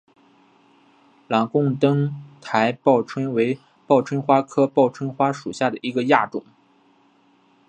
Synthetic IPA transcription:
lɑ˨˩ŋkʊ˥˧ŋt̪ɤ˥ŋt̪ʰa˧˥ɪpɑ˥˩ʊʈ͡ʂʰwə˥nwe˧˥ɪ | pɑ˥˩ʊʈ͡ʂʰwə˥nxwa˥kʰɤ˥pɑ˥˩ʊʈ͡ʂʰwə˥nxwa˥ʂu˨˩ɕja˥˩d̪ə˩i˧˥ɡə˧ja˥˩ʈ͡ʂʊ̰˨˩˦ŋ

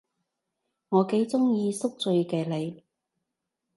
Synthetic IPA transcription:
ŋɔː˨˧ke˨˥jt͡sʊ˥ŋjiː˧sʊ˥k̚t͡sɵ˧ɥkɛː˧le˨˧j

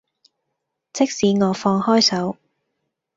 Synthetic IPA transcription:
t͡sɪ˥k̚siː˨˧ŋɔː˨˧fɔː˧ŋhɔː˥jsɐ˨˥w

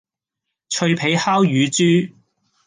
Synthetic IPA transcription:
t͡ʃʰɵ˧ɥpʰe˨˥jhaː˥wjyː˨˧t͡ʃyː˥

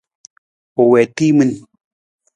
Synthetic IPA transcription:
o˨wɛ˨ti˦mɨ˦n

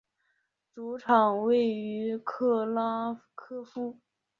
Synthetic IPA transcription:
t͡su˧˥ʈ͡ʂʰɑ˨˩ŋwe˥˩ɪy˧˥kʰɤ˥˩lɑ˥kʰɤ˥fu˥

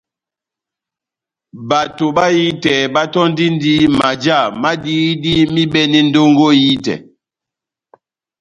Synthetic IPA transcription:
ba˨to˨ɓa˦ji˦tɛ˨ba˦tɔ˦n˦di˦n˦di˦ma˨d͡ʒa˦˨ma˦diː˦di˦mi˦ɓɛ˦ni˦n˦do˦ŋɡo˦ji˦tɛ̰˨

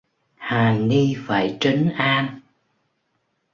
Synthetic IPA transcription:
haː˨˩ni˧fa̰ː˧˩jt͡ɕə˨˦ŋʔaː˧n

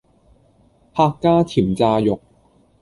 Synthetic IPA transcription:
haː˧kːaː˥tʰiː˨˩mt͡saː˧jʊ˨k̚

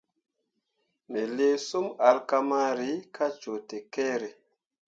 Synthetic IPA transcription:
ne˨le˦su˦ma˨lka˦ma˦ɾi˨˦kʰa˦t͡ʃo˨te˨ke˦ɾe˨

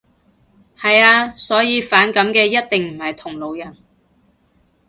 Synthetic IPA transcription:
hɐ˨jaː˧sɔː˨˥jiː˨˧faː˨˥nkɐ˨˥mkɛː˧jɐ˥t̚t̪ɪ˨ŋm̩˨˩hɐ˨jt̪ʰʊ˨˩ŋlo˨˧wjɐ˨˩n

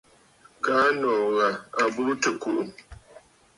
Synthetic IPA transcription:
kaː˦nɔː˨ɣa˨a˨bu˦tə˨ku˨ʔu˨

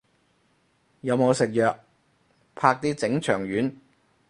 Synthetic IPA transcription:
jɐ˨˧wmo˨˧wsɪ˨k̚jœː˨k̚ | pʰaː˧k̚t̪iː˥t͡sɪ˨˥ŋt͡ʃʰœː˨˩ŋjyː˨˥n

